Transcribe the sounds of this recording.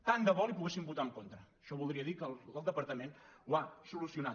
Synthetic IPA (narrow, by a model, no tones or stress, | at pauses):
t̪and̪əβɔlipuɣesimbut̪aəŋkont̪ɾəːʃɔβulˠd̪ɾiəðikələlˠd̪əpəɾt̪əmenwasulusiuna